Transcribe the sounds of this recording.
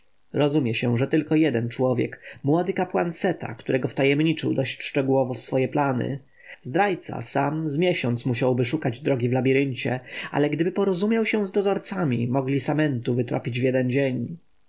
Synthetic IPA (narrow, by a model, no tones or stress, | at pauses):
ɾɔzumʲjɛɕɛʐɛt̪ɘlkɔjɛd̪ɛnt͡ʂwɔvʲjɛ̰kmwɔd̪ɘkapwansɛt̪a̰kt̪uɾɛɡɔft̪ajɛmɲit͡ʂɘwd̪ɔɕt͡ɕʂt͡ʂɛɡuwɔvɔfsfɔjɛplanɘ̰ | zd̪ɾajt̪sa̰samzmʲjɛɕɔnt̪smuɕ̬awbɘʂukad͡ʑd̪ɾɔɡʲivlabʲiɾɘnt͡ɕɛ̰a̰lɛɡd̪ɘbɘpɔɾɔzumʲjawɕɛ̃zd̪ɔzɔɾt̪samʲḭmɔɡlʲisamɛnt̪uvɘt̪ɾɔ̰pʲid͡ʑvʲjɛd̪ɛnd͡ʑeɲ